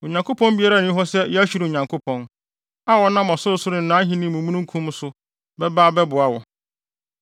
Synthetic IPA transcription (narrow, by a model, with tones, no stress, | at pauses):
o˨ɲã˨ŋkʰʊ˦pʰɔ̃˦mbi˦a˦ɾa˦˨nɪ̃˦ɦɔ˦sɛ˦jɛ˦æ˦ɕᶣu˦ɾo˨ɲã˨ŋkʰʊ˦pʰɔ̃˦n | a˦wɔ˦nã˦mɔ˨sʊ˦ɾʊ˨sʊ˦ɾɪ̃˨nãː˨˦ɦĩ˦nĩ˦mũ˨mũ˦nũ˦kʰũ˦m˦sʊ˦ | bɛ˦ba˦bɛ˦bʊ˨a˨wɔ˨